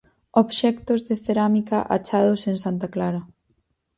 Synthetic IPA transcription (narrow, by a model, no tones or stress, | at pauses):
oβʃɛkt̪ozðeθeɾamikaʔa̰t͡ʃað̞oseŋsant̪aklaɾɐ